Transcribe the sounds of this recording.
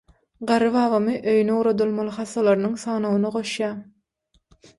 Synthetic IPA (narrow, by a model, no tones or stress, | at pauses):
ɢɑɾɯvɑːvɑmɯʔøjyneuːɾod̪ulˠmɑlˠɯxɑsːɑlˠɑɾnɯŋsɑːnowunɑʁo̞ʃjɑː